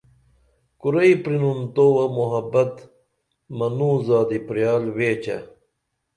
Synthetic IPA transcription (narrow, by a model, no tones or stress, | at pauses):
kuɾɐipɾinunt̪oːwɐmuɦɐbɐt̪ | mɐnuːzaːd̪ipɾijaːlweːt͡ɕɐ̰